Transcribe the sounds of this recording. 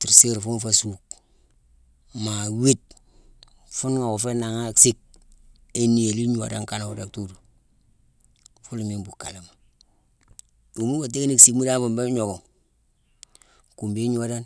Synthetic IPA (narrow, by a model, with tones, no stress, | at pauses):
ti˨ɾse˦ɾfu˦nfa˨su˨k̚ | ma˨wi˦t̚ | fu˦nŋa˨wo˨fe˦na˨ŋa˦ksi˦k̚ | e˨ni˨e˨li˦ɲu˦wa̰˨da˦ŋka˦na˨u˨de˨k̚tu˦du˨ | fu˦lmi˦mbu˨ka̰˨li˦ma˨ | du˨mu˦wa˨t̬e˦kni˦ksi˨kmu˦da˦fu˨mbe˦ɲo˨ɡo˨ŋ | ku˨mbi˦ɲu˦wa˦da˦n